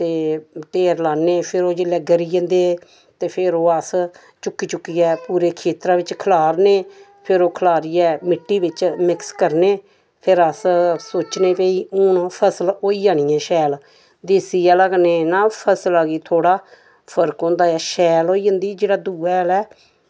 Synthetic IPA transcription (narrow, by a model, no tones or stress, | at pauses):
t̪eːʈeːɾlaːnːeːpʰɪɾoːd͡ʒɪlːɛːɡəɾiːə̃nd̪eː | t̪eːpʰɪɾoːəs | t͡ʃʊkːiːt͡ʃʊkːiːɛːpuːɾeːkʰeːt̪ɾãːʋɪt͡ʃkʰəlaːɾneː | pʰɪɾoːkʰlaːɾiːɛːmɪʈːiːʋɪt͡ʃmɪkskəɾneː | pʰɪɾəssoːt͡ʃneːpeːiːʊnpʰəsəloːiːd͡ʒaːñĩːɛːʃɛːl | d̪eːsiːɛːləɡneːnãːpʰəslaːɡiːt̪ʰoːɽaː | pʰəɾkõːnd̪aːɛːʃɛːloːiːə̃nd̪iːd͡ʒeːɽaːd̪uːɛːlɛː